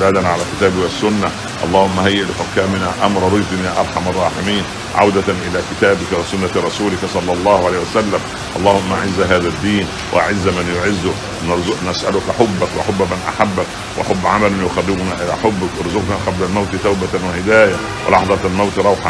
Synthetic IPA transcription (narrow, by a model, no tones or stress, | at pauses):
daːd̪ænːʕalæːkɪt̪æːbɪwasːʊnːa | ʔɑ̰lˤːɑːhʊmːahajːɪʔlɪħʊkːæːmɪnaːʔamɾˤɑɾˤɪd͡ʒd̪ɪnjaːʔɑɾˤħɑmɑrˤːɑːħɪmiːn | ʕa̰wd̪anʔɪlæːkɪt̪æːbɪkawæsʊnːaɾˤɑsuːlɪksˤɑlːɑlˤːɑːhʊʕalejːhiwæsalːæm | ʔɑlˤːɑːhʊmːaʔaʕɪzːaɦaːðæd̪ːiːn | wʔa̰ʔa̰ʕɪzːmanjʊʕɪzːʊk | nasʔæ̰lʊkħobːakwa̰ħʊbːæmanʔa̰ħabːak | wʔa̰ħʊbːʕamalʊnjʊxɑrːɪbʊnaːʔɪlaːħʊbːɪkʔɾzʊqnaːqɑblalmawt̪ɪt̪awbawɪhɪd̪æːja | wɪ̰lʔɑ̰ħðˤɑt̪almawt̪ɾˤɑwħa